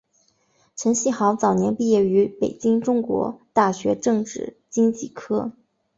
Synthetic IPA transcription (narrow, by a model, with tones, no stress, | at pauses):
ʈ͡ʂʰə˧˥nɕi˥˩xɑ˧˥ʊt͡sɑ˨˩ʊnjɛ˧˥npi˥˧jɛ˥˩y˧˥pe˨˩ɪt͡ɕi˥ŋʈ͡ʂʊ˥ŋkwɔ̰˧˥t̪a˥˩ɕɥɛ˧˥ʈ͡ʂɤ˥˧ŋʈ͡ʂɻ̩˥˩ | t͡ɕi˥ŋt͡ɕi˥˩kʰɤ˥